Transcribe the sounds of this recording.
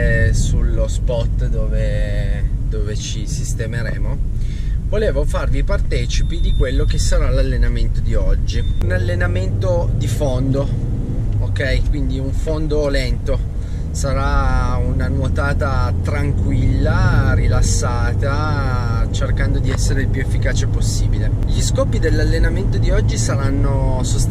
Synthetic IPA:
sulːospɔt̪ːd̪oːve | d̪oːvet͡ʃisist̪emeɾḛːmo | voleːvofarvipart̪ɛːt͡ʃipid̪ikwelːok̟esaɾalalːenament̪od̪iɔd͡ʒːiunalːenament̪od̪ifond̪o | okɛjkwind̪iuɱfond̪olɛnt̪o | saɾaunanwot̪aːt̪at̪ɾaŋkwilːaɾilasːaːt̪a | t͡ʃerkand̪od̪iɛsːeɾeilpjuefːikaːt͡ʃeposːiːbile | ʎiskɔːpid̪elːalːenament̪od̪iɔd͡ʒːisaɾanːosost̪

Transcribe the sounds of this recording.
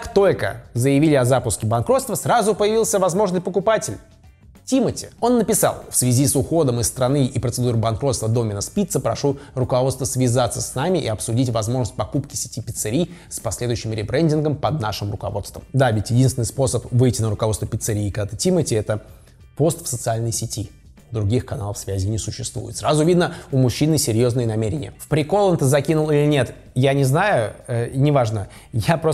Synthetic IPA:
akt̪o̞lʲkə̰zəjɪvʲilʲɪɐzapʊskʲɪbɐnkɾot̪st̪vəsɾazʊpəjɪvʲilˠsʲəvɐzmo̞ʐnɨjpəkʊpatʲɪlʲ | tʲimətʲɪ̰o̞nːəpʲɪsa̰lˠfsvʲɪzʲisʊxo̞d̪əmɨst̪ɾɐnɨʔipɾət̪sɨd̪uɾɨbɐnkɾo̞t̪st̪vəd̪o̞mʲɪnəspʲit̪səpɾɐʂurʊkɐvot̪st̪vəsvʲɪzat̪sːəsʲnamʲɪʔɪ̰ɐpsʊdʲitʲvɐzmo̞ʐnəsʲt̚ʲpɐkupkʲɪ̥sʲɪ̥tʲipʲɪt̪sɨɾʲijspɐsʲlʲed̪ʊjʏɕːɪmɾʲɪbɾɛnʲdʲɪnɡəmpɐd̪̚naʂɨmrʊkɐ̰vo̞t̪st̪və̰md̪avʲɪtʲjɪdʲinsvʲɪnɨɪspo̞səpvɨjtʲɪnəɾʊkɐvot̪vəpʲɪt̪sɨɾʲiːkat̪ətʲimətʲɪɛt̪ə | po̞st̪fsət̪sɨalʲnəjsʲɪtʲi | d̪ɾʊɡʲixkɐnalˠəfsvʲæzʲɪnʲɪsʊɕːɪst̪vṵjɪ̰t̪sɾazʊvʲid̪nəʊmʊɕːinɨsʲɪɾʲjo̞znɨjənɐmʲeɾʲɪnʲɪ̰jəfpɾʲɪko̞lˠont̪əzɐkʲinʊlˠilʲɪnʲe̞t̪ | janʲɪznajʊənʲɪvaʐnə | japɾo

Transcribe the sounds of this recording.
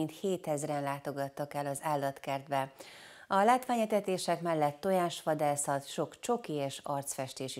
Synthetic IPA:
int̪heːt̪ɛzrɛnlaːt̪o̞ɡɒt̪ːɒkɛlːɒzaːlːɒt̪kɛrd̪bɛ | ɒlaːt̪ʋaːɲɛt̪ɛt̪eːʃɛkmɛlːɛt̪ːo̞jaːʃʋɒd̪aːsɒt̪ʃo̞kt͡ʃo̞kieːʃɒrt̪sfɛʃt̪eːʃi

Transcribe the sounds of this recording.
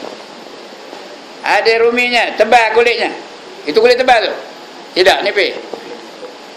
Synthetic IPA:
adeɾumiɲat̪əbakulɪʔɲa | it̪ukulɪʔt̪əmbat̪u | t̪idak̚nipe

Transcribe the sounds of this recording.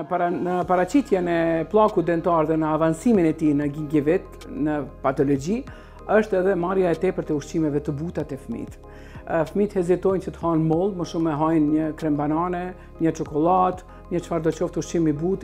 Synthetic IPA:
paɾanəpaɾat͡ɕit̪jɛnɛplˠakud̪ɛnt̪aɾðɛnəavansiminɛt̪inəɡiŋɡivit̪ | nəpat̪ɔlɔd͡ʑi | əʃt̪ɛðɛmaɾjaɛt̪ɛpəɾt̪ɛuʃt͡ɕimɛvɛt̪əbut̪at̪ɛfmḭt̪ | fmit̪hɛzit̪ɔjnt͡ɕət̪ə̥hanmɔlˠməʃumɛɦajnɲəkɾɛmbananɛ | ɲət͡ʃɔkɔlˠat̪ | ɲət͡ʃfaɾd̪ɔt͡ɕɔft̪uʃt͡ɕimibut̪

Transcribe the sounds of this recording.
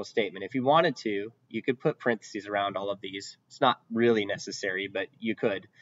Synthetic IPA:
l̩ˠsteɪt̚mɨ̃ñtɨfjɨwɑ̃ɾ̃ɨd̚tʰʉ | jɨkɨd̚pʰʊt̚pʰɹ̥ɪ̃nθə̥sizə˞ãʊ̃ndɔlˠʌvðiz̥ɪtsnət̚ɹɪlˠinɛsɨsɛɹibʌt͡ʃɨkʰɨd̥

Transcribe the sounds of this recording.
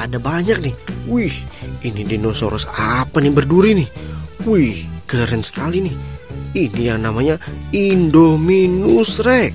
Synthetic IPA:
adabaɲak̚nɪhwihinidinoso̰ɾɔsapanibərduɾinɪhwihɡəɾənsə̥kalinɪhinijaŋnamaɲaindominʊsrɛ

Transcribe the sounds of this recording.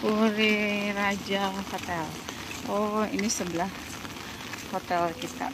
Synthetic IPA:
puɾiɾad͡ʒafot̪ɛl | oinisəbəlah | fot̪ɛlkit̪a̰

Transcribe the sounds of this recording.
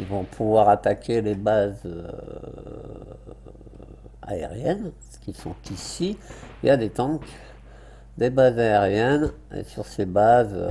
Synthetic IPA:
ilvɔ̃pʰuvwaʁat̪akʲelebazø̰ | a̰ḛʁjɛn | kʲisɔ̰̃t̪isiiljad̪et̪ɑ̃k | d̪ebazaeʁjɛn | ḛsyʁsebaz

